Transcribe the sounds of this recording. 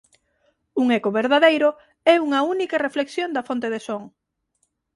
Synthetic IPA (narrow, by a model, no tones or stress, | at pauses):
uŋɛkoβeɾðaðejɾʊ | ɛuŋɐunikɐrefleksjond̪ɐfont̪eðesoŋ